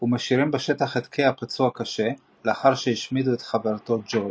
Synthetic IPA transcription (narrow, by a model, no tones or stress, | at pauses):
humaʃiʁimbeʃetaχet̪kʰeapat͡suakaʃe̞ | leaχaʁʃejiʃmiduet̪χaveʁt̪o̞d͡ʒoj